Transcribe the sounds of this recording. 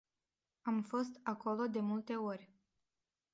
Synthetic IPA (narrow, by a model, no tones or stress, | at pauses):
amfo̞st̪ako̞lo̞d̪e̞mult̪e̞orʲ